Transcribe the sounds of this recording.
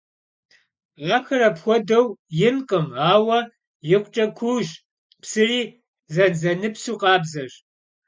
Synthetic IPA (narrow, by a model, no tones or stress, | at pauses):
ʕaxɐrɐpxʷɔdɐwjɪnqʼəmaːwɐ | jɪqʷt͡ʃʼɐkʷʰuːʒ | psɨriː | zɐnzɐnɨpsuːqʼɑːbzɐɕ